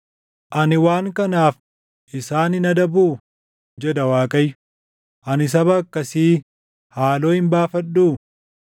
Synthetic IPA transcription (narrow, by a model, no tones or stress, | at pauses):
ʔɐnɪwaːŋkɐnaːf | ʔɪsaːnɪnɐd̪ɐbuː | d͡ʒɛd̪ɐwaːkʼɐjːʊ̥ | ʔɐnɪs̬ɐβɐːkːɐsiː | haːlo̞ːhɪmbaːfɐᶑːuː